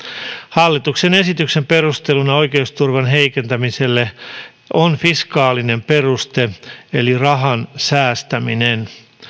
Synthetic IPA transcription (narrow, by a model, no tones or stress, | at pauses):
hɑlːit̪uksene̞sit̪ykse̞mpe̞rust̪elunɑo̞jkeust̪urʋɑnɦeikent̪æmise̞lːe | onfiskɑːline̞mpe̞rust̪eelirɑɦɑnsæːst̪æminen